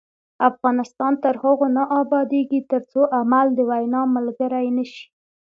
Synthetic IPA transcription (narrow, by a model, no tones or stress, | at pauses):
afɣɑnɪst̪ɑnt̪əɾhəɣonaʔɑbɑd̪eɡit̪əɾt͡soʔamald̪əwajnɑməlɡəɾajnəʃi̥